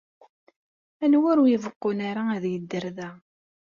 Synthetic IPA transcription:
ænwʊɾujəvəqːʊnaɾaæðjəd̪ːəɾðæ

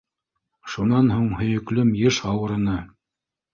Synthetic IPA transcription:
ʃunɑnɦuɴhɵ̆jɵ̆klɵmjɘʃɑwɤ̆ɾɤ̆nɤ

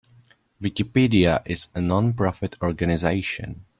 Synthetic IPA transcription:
vɪkɪpidiaʔɪzənɔ̃npɹɔfɪtʰɔɹɡanɪzeɪʃə̰̃n

